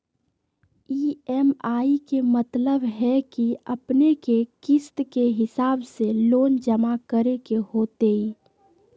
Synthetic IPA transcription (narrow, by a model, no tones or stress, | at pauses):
iːɛmaːikemət̪ləbɦɛkiəpnekekɪst̪keɦɪsaːbseloːnd͡ʒəmakəɾekehoːt̪ei